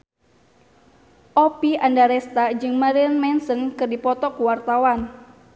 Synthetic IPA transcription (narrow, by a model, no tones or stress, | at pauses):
ʔɔpiandaɾɛst̪ad͡ʒɨŋmaɾinmɛnsəŋkɨrdipɔt̪ɔkuwart̪awan